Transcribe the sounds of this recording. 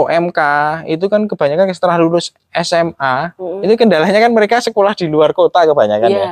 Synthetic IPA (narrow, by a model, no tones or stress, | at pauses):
oʔɛmkaḭt̪̬ukankəb̥a̤ɲakankəsə̥t̪əɾahlulʊs | ɛsɛmait̪ukəndalahɲakanməɾekasəkolahd̥iluarkot̪akəbaɲa̰kanja